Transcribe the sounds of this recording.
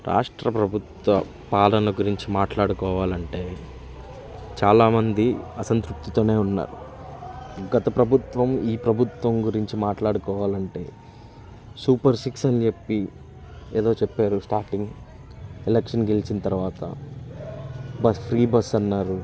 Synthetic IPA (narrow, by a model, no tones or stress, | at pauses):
ɾa̰ːʂʈɾɐpɾɐbʱut̪ʋɐ | paːlɐnɐɡuɾiɲt͡ʃimaːʈlaːɽukɔːʋaːlɐɳʈe̞ː | t͡ʃaːlaːmɐnd̪iɐsɐnt̪ɾup̚t̪i̥t̪o̞ːne̞ːunːa̰ːɾu | ɡɐt̪ɐpɾɐbʱut̪ʋɐmiːpɾɐbʱut̪ʋɐmɡuɾiɲt͡ʃimaːʈlaːɽukɔːʋaːlɐɳʈe̞ː | suːpɐɾsiksɐnt͡ʃe̞pːi | eːd̪o̞ːt͡ʃepːaːɾusʈaːɾʈiŋɡ | elekʂɐnɡelit͡ʃinɐt̪ɐɾʋaːt̪ɐ̰ | bɐspʰɾiːbɐsɐnːaːɾu